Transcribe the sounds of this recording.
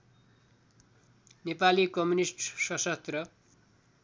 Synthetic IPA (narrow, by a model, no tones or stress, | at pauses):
nepalikʌmunisʈsʌsʌt̪rʌ